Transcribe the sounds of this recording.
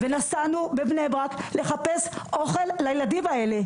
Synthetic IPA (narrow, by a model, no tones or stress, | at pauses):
ve̞nasanubebnebʁakle̞χape̞so̞χe̞lːajeladimae̞le̞